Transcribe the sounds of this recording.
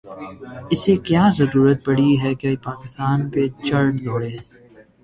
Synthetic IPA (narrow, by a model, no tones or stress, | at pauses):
ɪsekjaːzɐɾuːɾət̪̚pɐɽ̤iɦɛkeipaːkɪst̪aːnpet͡ʃɐɾʈloːɽeː